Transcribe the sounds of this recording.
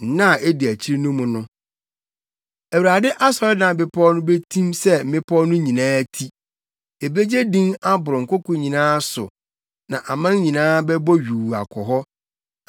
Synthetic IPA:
n̩˨˦nã˦˨ɛ˦dɪ˨æ˨t͡ɕʰi˦ɾi˦nʊ̃˦mʊ̃˨nʊ̃˦ | æ˨wu˨ɾa˨dɪ˦ʔa˦sɔ˨ɾɪ˦nã˨bɪ˨pʰɔ˦nʊ̃˦be˦tʰĩ˦msɛ˦m̩˦mɪ̃˦pʰɔ˦nʊ̃˦ɲĩ˨nãː˦tʰi˦ | e˨be˦d͡ʑe˦dĩ˦ŋa˦bʊ˨ɾʊ̃˨ŋ̩˨kʰʊ˦kʰʊ̃˨ɲĩ˨nãː˦sʊ̰˨ | nã˨ʔa˨mã˦ɲĩ˨nãː˦bɛ˦bɔ˦ɥᶣu˨a̰˨kʰɔ˨ɦɔ˦

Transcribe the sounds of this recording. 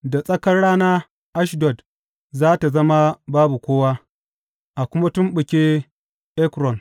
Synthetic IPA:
da˨sʼɐ˦kɐ˦rɽaː˦na˦ | ʔa˦ʃdɔ˨d | zaː˦ta˨zɐ˦ma˦baː˦bu˨kʷoː˦waː˦ | ʔa˨kʷʊ˦ma˦tʊ˦mɓʊ˨kʲe˦ | ʔɛ˦kɾɔ˨n

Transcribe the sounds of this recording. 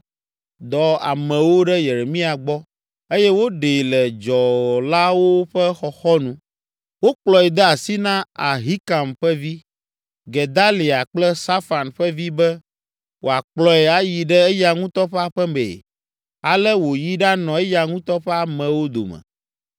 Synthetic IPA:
d̪ɔ˨a̰˨mɛ̃˨wo˦ɖɛ˦je˨ɾe˨mĩ˦a˨ɡ͡bɔ˦ | e˦jɛ˦wo˦ɖe˨lɛ˨d͡ʒɔ˨la˦wo˦ɸɛ˦xɔ˨xɔ˦nũ˦ | wo˦k͡plɔ˨ɛ˨d̪ɛ˦a˨si˦nã˦a˨ɦi˦ka˨mɸɛ˦vi˦ | ɡe˨d̪a˦li˨a˨k͡plɛ˦sa˦fa˨nɸɛ˦vi˦bɛ˦ | wo̰˨a˨k͡plɔ˨ɛ˨a˨ji˨ɖɛ˦e˦ja˨ŋũ˦t̪ɔ˦ɸɛ˦a˦ɸɛ˦mḛ˨ | a˨lɛ˦wo˨ji˦ɖa˦nɔ̃˨e˦ja˨ŋũ˦t̪ɔ˦ɸɛ˦a˨mɛ̃˨wo˦d̪o̰˨mɛ̰̃˨

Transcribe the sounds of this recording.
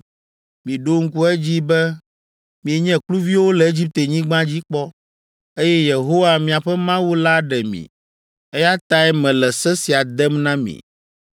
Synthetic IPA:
mĩ˨ɖo˦ŋ̩˦ku˦ɛ˦d͡ʑi˦bɛ˦ | mĩ˨e˨ɲɛ̃˦klu˦vi˦wo˦lɛ˨e˦d͡ʑi˦p̚t̪e˨ɲĩ˦ɡ͡bã˦d͡ʑi˦k͡pɔ˦ | e˦jɛ˦je˨ɦo˦wa˦mĩ˨a˨ɸɛ˦mã˦wu˦la˦ɖɛ˨mḭ̃˨ | ɛ˦ja˦t̪a˦ɛ˦mɛ̃˨lɛ˨sɛ˦si˨a˨d̪ɛ˦mnã˦mḭ̃˨

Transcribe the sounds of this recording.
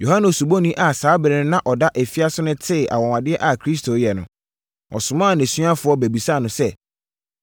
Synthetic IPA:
jo˨ɦã˦nʊ̃˨su˨bo˦nĩ˦ʔa˨saː˨˦bɪ˨ɾɪ̃˦nã˦ʔɔ˨da˦ʔæ˨fi˦a˦sʊ˦nʊ̃˦tʰɪ˦˨ʔa̰˨wɔ̃˨wã˨dɪ˦ɛ˦ʔa˨kʰɾi˦s̬tʰo˨˦jɛ˨nʊ̰̃˨ | ɔ̰˨sʊ̃˨mãː˦˨næ̃˨sɥa˦fʊ˨ɔ˦bæ˨bi˨sa˦˨nʊ̃˨˦sɛ˦

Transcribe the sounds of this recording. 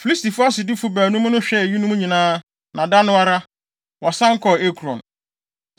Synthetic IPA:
fi˨li˦sti˨fʊ˦a˦sɪ˨dɪ˦fu˦bæː˨nũ˦m˦nʊ̃˦ɕᶣɛ˦˨ɥi˦nũ˦m˦ɲĩ˨nãː˦ | nʔã˨da˦nʊ̃˦a˦ɾa˦ | wɔ˨sã˦ŋ̩˦kʰɔ˨e˦kʰɾɔ̰̃˨n

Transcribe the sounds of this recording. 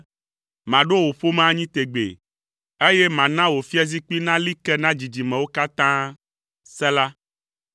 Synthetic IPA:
mã˨ɖo˦wo˨ɸo˦mã˦ɲĩ˦t̪e˨ɡ͡bḛ˨ | e˦je˦mã˨nã˦wo˨fi˦a˦zi˦k͡pi˦nã˦li˦kɛ˦nã˦d͡ʑi˨d͡ʑi˨mɛ̃˨wo˦ka˦t̪ã˦ | sɛ˦la˦

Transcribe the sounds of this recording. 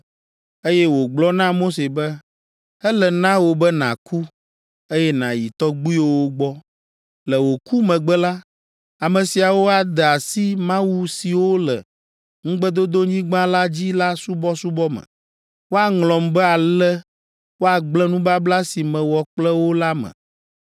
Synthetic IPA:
e˦jɛ˦wo˨ɡ͡blɔ˦nã˦mo˦se˨bɛ˦ | ɛ˦lɛ˨nã˦wo˨bɛ˦nã̰˨kʰu˦ | e˦jɛ˦nã̰˨jḭ˨t̪ɔ˦ɡ͡bu˦i˦wo˦wo˦ɡ͡bɔ˦ | lɛ˨wo˨ku˦mɛ̃˨ɡ͡bɛ˦la˦ | a˨mɛ̃˨si˨a˨wo˦a˨d̪ɛ˨a˨si˦mã˦wu˦si˨wo˦lɛ˨ | ŋ̩̃˦ɡ͡bɛ˦d̪o˦d̪o˦ɲĩ˦ɡ͡bã˦la˦d͡ʑi˦la˦su˦bɔ˦su˦bɔ˦mɛ̰̃˨ | wo˦a˨ŋlɔ̃˨mbɛ˦a˨lɛ˦ | wo˦a˨ɡ͡blɛ̃˦nũ˦ba˦bla˦si˨mɛ̃˨wɔ˨k͡plɛ˦wo˦la˦mɛ̰̃˨

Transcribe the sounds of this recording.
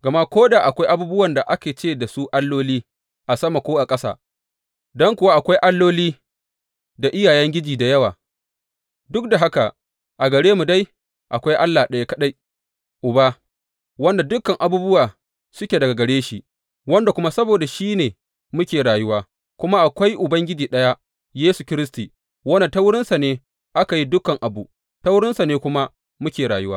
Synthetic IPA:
ɡɐ˨ma˦kʷoː˦daː˨ʔa˨kʷa˦jʔa˦buː˦bʊ˦wɐ˨nda˨ʔa˦kʲeː˨t͡ʃeː˦˨da˨su˦ʔa˦lːoː˦liː˦ | ʔa˨sɐ˦ma˨kʷoː˦ʔa˨kʼɐ˦sa̰ː˨ | dɔ˦ŋkʷʊ˨wa˦ʔa˨kʷa˦jʔa˦lːoː˦liː˦ | da˨ʔɪ˦jaː˨jɛ˦ŋɡʲɪ˦d͡ʒiː˨da˨jɐ˦waː˨ | dʊ˦k̚da˨ɦa˦ka˨ | ʔa˨ɡɐ˨ɽeː˦mu˨da˦j | ʔa˨kʷa˦jʔa˦lːaː˨ɗɐ˨ja˦kɐ˦ɗa˦j | ʔʊ˨ba˦ | wɐ˦nda˨dʊ˦kːɐ˨ŋʔa˨buː˦bʊ˦waː˨ | sʊ˦kʲe˨dɐ˨ɡa˨ɡɐ˨ɽeː˦ʃi˨ | wɐ˦nda˨kʷʊ˦ma˦sɐ˦boː˨da˨ʃiː˦neː˨ | mʊ˦kʲeː˨ɽaː˨jʊ˦waː˦ | kʷʊ˦ma˦ʔa˨kʷa˦jʔʊ˨bɐ˦ŋɡʲɪ˦d͡ʒiː˨ɗɐ˦ja˦ | jeː˦su˨kʲɪ˦ɾɪ˦stiː˨ | wɐ˦na˨ta˦wʊ˦ɽɪ˦nsa˨neː˦ | ʔa˦ka˨ji˦dʊ˦kɐ˨ŋʔa˨bu˨ | ta˦wʊ˦ɽɪ˦nsa˨neː˦kʷʊ˦ma˦ | mʊ˦kʲeː˨ɽaː˨jʊ˦waː˦

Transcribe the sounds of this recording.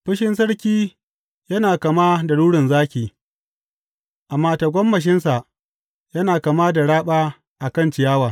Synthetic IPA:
ɸɪ˦ʃɪ˦ns̬ɐ˦ɽkʲiː˦ | jɐ˦naː˨ka˨maː˦da˨ɽuː˦ɽɪ˨nzaː˦kʲiː˨ | ʔa˨mːaː˦ta˨ɡʷɐ˦mːɐ˨ʃ̬ɪ˦nsa˨ʔ | jɐ˦naː˨ka˨maː˦da˨ɽaː˦ɓaː˦ | ʔa˨kɐ˦˨nt͡ʃɪ˨jaː˦waː˨

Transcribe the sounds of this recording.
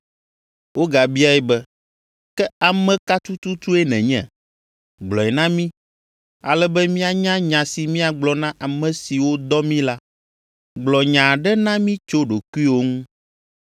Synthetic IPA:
wo˦ɡa˨bi˦a˦ɛ˦bɛ˦ | kɛ˦a˨mɛ̃˨ka˦t̪u˦t̪u˦t̪u˦ɛ˦nɛ̰̃˨ɲɛ̰̃˨ | ɡ͡blɔ˨ɛ˨nã˦mĩ˦ | a˨lɛ˦bɛ˦mĩ˦a˨ɲã˦ɲã˨si˨mĩ˦a˨ɡ͡blɔ˨nã˦ʔa˨mɛ̃˨si˨wo˦d̪ɔ˦mĩ˦la˦ | ɡ͡blɔ˨ɲã˨ɖɛ˦nã˦mĩ˦t͡ʃo˦ɖo˨ku˦i˦wo˦ŋũ˦

